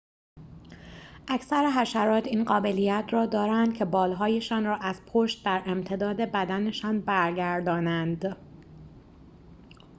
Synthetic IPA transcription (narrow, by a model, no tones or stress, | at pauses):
ʔæcʰsæɾeɦæʃæɾɒːt̪ʰiːnɢɒːbe̞lijæt̪ʰrɒːd̪ɒːɾænd̪̥̚cʰe̞bɒːlɦɒːje̞ʃɒːnrɒːʔæz̥pʰoʃt̪̚d̪æɾʔe̞mt̪ʰe̞d̪ɒːd̪e̞bæd̪æne̞ʃɒːnbæɾɟæɾd̪ɒːnænd̪